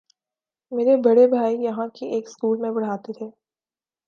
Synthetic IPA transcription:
meːɾebɐɽebʱaːijɐɦãkieːkskuːlmẽbɐɽ̤aːt̪et̪ʰeː

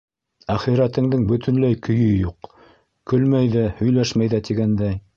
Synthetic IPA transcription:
æχiɾæt̪ɘ̆ŋd̪ɘŋbɵ̆t̪ʰɵ̆nlæjkʰɵ̆jɵjuq | kɵ̆lmæjðæhɵ̆jlæʃmæjðæt̪iɡænd̪æj

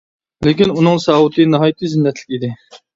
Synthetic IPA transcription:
lɪkʲinunɨŋsɑːwut̪ʰɨnɨɦɑːjt̪ʰːɨzɪnːɛt̪ʰlɪ̥kʲid̪ɪ

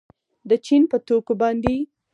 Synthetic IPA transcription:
d̪ət͡ʃinpət̪okobɑnd̪e

